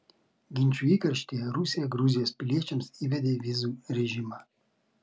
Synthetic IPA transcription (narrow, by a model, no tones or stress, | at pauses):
ɡʲɪnʲt͡ʃʲuiːkɐɾʲʃʲt̪ʲijɛɾusʲɪjɛɡɾuzʲɪjoːspʲɪlʲiɛt͡ʃʲɛmsiːʋʲɛd̪ʲeːʋʲizuɾʲɛʒʲimɐ